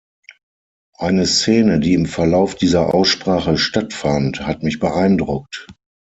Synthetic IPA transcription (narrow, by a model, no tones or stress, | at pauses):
ʔaɪnəst͡seːnədiːɪmfɛɐlaʊfd̥iːzɐʔa̰ʊsʃpʁ̥aːχəʃtatfanthatmɪçb̥əʔaɪndʁʊk̚t